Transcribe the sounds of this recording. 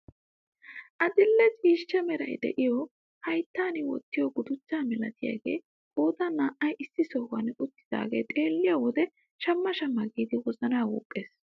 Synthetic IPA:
ʔɐd̪ɪlːɛt͡ʃʼiːʃːɐmɛɾɐ̰jd̪ɛ̰ʔɪjɔ | hɐjt̪ːaːnɪwɔ̰t̪ːɪjɔɡʊd̪ʊt͡ʃːaːmɛlɐ̰t̪ɪja̰ːɡe̞̰ː | kʼoːt̪ɐnaːʔɐjʔɪsːɪsɔwɐ̰nʊt̪ːɪ̥d̪a̰ːɡe̞̰ːt̪ʼe̞ːlːɪjawɔd̪ɛ | ʃɐmːɐʃɐmːɐɡiːd̪ɪwɔzɐnaːwṵːkʼːe̞ːs

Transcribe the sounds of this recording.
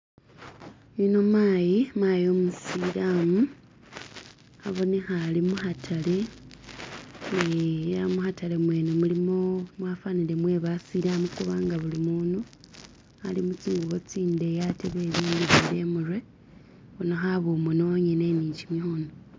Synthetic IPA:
inomaːjimwajo̞ːmusilamu | aβo̞ne̞xalimuxatʰale̞ | neamuxatale̞mwe̞ːnemulimomwafanile̞mwe̞βasiːlamukuβaːŋɡaβulimuːno | alimut͡siːŋɡuβot͡siːnde̞jateβe̞ːβiːndiβiɾe̞murwe | βonaxaβomonoɲeneniɲcimixono

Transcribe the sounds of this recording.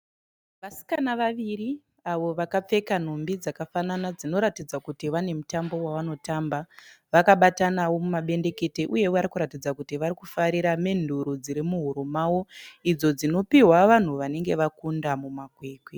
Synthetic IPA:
ʋasi̥kanaʋaʋiri | aʋo̞ʋakap͡fe̞kan̤ombid͡zakafananad͡zino̞ɾatid͡zakutiʋane̞mutambo̞waʋano̞tamba | ʋakaɓatanawo̞mumaɓe̞nde̞ke̞te̞ʔuje̞aɾikuɾatid͡zakutiʋaɾikufaɾiɾame̞nduɾod͡ziɾimuɦuɾomawo̞id͡zo̞d͡zino̞piɦwaʋan̤uʋane̞ŋɡe̞ʋakundamumakwe̞ːkwe

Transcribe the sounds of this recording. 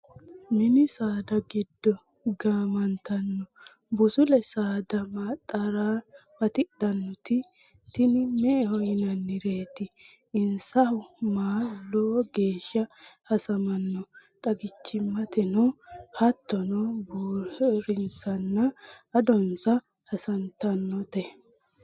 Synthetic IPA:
mɪnɪsaːd̪ɐɡɪd̪ːɔ | ɡaːmɐnt̪ɐnːɔ | bʊsʊlɛsaːd̪ɐmaːt̪ʼːɐɾaːbɐt̪ɪɗɐnːɔt̪ɪ | t̪ɪnɪmɛʔɛhɔjɪnɐnːɪɾe̞ːt̪ɪ | ɪnsɐhʊmaːlɔɡe̞ːʃːɐhɐsɐmɐnːɔt̪ʼɐɡɪt͡ʃːɪmːɐt̪ɛnɔhɐt̪ːɔnɔbuːɾɪnsɐnːɐɐd̪ɔnsɐ | hɐsɐnt̪ɐnːɔt̪ɛ

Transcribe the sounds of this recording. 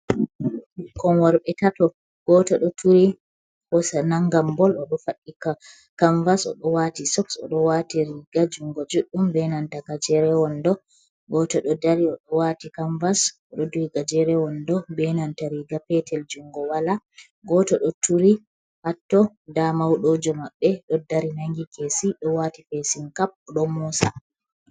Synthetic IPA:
kɔnwaɾɓɛtatɔ | ɡ̥ɔtɔɗɔtʰuɾi | hɔsanaŋɡambɔlɔɗɔfaɗːika | kaɱvasɔ̰ɗɔwatisɔksɔ̰ɗɔwatiɾiɡad͡ʒuŋɡɔd͡ʒuɗːumbɛnantakad͡ʒɛɾɛwɔndɔ | ɡɔtɔɗɔdaɾiɔɗɔwatikaɱvasɔɗɔduɡad͡ʒɛɾɛwɔndɔbɛnantaɾiɡapɛtʰɛld͡ʒuŋɡɔwala | ɡɔtɔɗɔtuɾi | hatːɔ | damawɗod͡ʒɔmaɓːɛɗɔdaɾinaŋɡikesiɗɔwatifesinkap̚ɗɔmusa̰

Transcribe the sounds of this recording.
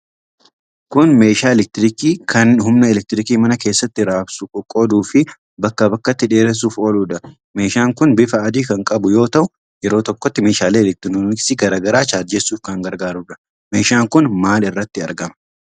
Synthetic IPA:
kʊnme̞ːʃaːɛlɛk̚t̪ɪɾɪkiːkʰɐnhʊmnɐɛlɛk̚t̪ɪɾɪkiːmɐnɐke̞ːsːɐt̪ːɪɾaːbsʊkʼɔkʼɔd̪uːfɪ | bɐkːɐbɐkːɐt̪ːɪᶑe̞ːɾɛs̬uːfoːluːᶑɐ | me̞ːʃaːŋkʊnbɪfɐɐd̪iːkɐŋkʼɐbʊjo̞ːt̪ɐʔʊ | jɛɾo̞ːt̪ɔkːɔt̪ːɪmeːʃaːleːɛlɛk̚t̪ɪnunɪsɪɡɐɾaːɡɐɾaːt͡ʃaːdd͡ʒesuːfkɐŋɡɐɾɡaːɾʊᶑɐ̥ | me̞ːʃaːŋkʊnmaːlɪrːɐt̪ːɪɐɾɡɐmɐ̥

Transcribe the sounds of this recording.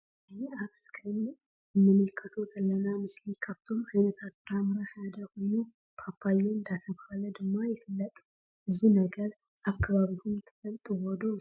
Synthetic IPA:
aβskʰin | ɨnːɨmːɨlkʰʼət̪ʰot̪ʰʼɨlːənamɨslikʰəft̪ʰomajnət̪ʰat̪bamɨɾahjad̪əhonu | pʰapʰːajːoɨnd̪at̪ʰəbahaləd̪ɨmːojɛfɨlːət̪ʼu | ʔɨzːinəɡəɾ | akʰːaβaβihumt̪ʰɨ̥fəlt̪ʼuwɔd̪o

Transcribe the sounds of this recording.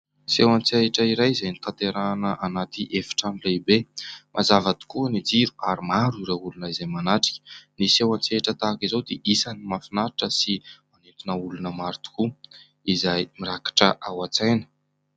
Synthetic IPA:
sewant͡seiʈ͡ʂəiɾajizajnit̪ant̪eɾanəʔanat̪iʔefi̥ʈ͡ʂamilebemʔazavad̪i̥kuənid͡ziɾu̥aɾimaɾiɾaulunəizajmanaʈ͡ʂi̥kʲə̥nisewant͡seiʈ͡ʂət̪akizowd̪eʔisanimafinaɾiʈ͡ʂəsimanent̪inəulunəmaɾt̪u̥ku | izajmiɾakḁʈ͡ʂəʔawat͡sajnə̥

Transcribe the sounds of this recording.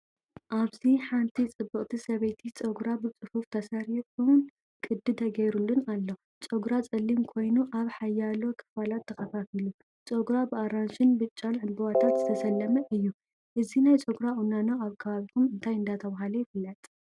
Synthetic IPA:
ʔaβziħant̪ʰit͡sʼɨbːɨqʼt̪ʰisɐβet̪ʰit͡sʼoɡɾabɨt͡sʼɨfuft̪ʰɐsɐɾikʼun | kʼɨd̪ːɨt̪ʰɐɡɐjɾulːɨnalːo̞ | t͡sʼoɡɾat͡sʼɐlːimkʰo̞jnuʔaβħajːalo̞kʰɨ̥falat̪ʰːɐkɐfafilu | t͡sʼoɡɾabɨaɾanʃɪnbɨt͡ʃʼːanʕɨnbuwat̪ʰat̪zɨt̪ʰɐsɐlːɐmɐʔɨjːu | ʔɨzinajt͡sʼoɡɾaʔunanoaβkʰɐβaβik̪ʰumɨnt̪ʰajɨnd̪at̪ʰɐβaɦalɐjɪfɨlːɐt̪ʼ

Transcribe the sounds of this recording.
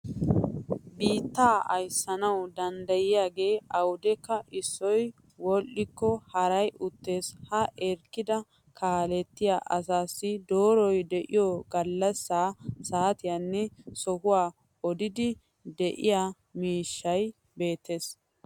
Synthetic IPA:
biːt̪ːaːʔɐjsːɐnɐwd̪ɐnd̪ɐjɪjaːɡe̞ːɐwʊd̪ɛkːɐʔɪsːɔj | wɔlʔɪkːɔhɐɾɐjʊt̪ːe̞ːshɐʔɛɾkːɪd̪ɐ | kʰaːlɛt̪ːɪjaːʔɐsaːsːɪd̪oːɾɔjd̪ɛʔɪ̰jɔɡɐlːɐsːaːsaːt̪ɪjanːɛsɔhʊwaː | ɔd̪ɪd̪ɪ | d̪ɛʔɪ̰jaː | miːʃːɐj | be̞ːt̪ːe̞s

